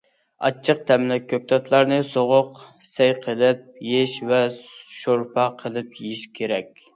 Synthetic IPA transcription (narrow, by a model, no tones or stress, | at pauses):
ɑ̰t͡ʃʰːəq̚t̪ʰɛmlɛkʲʰːøp̚t̪ʰɑt̪ʰlˠɑɾnɨsoʁʊq | sɛjqʰəlˠɪp̚jeʃvɛʃoɾpʰɑqʰəlˠɨp̚jeʃkʲʰeɾɛkʲ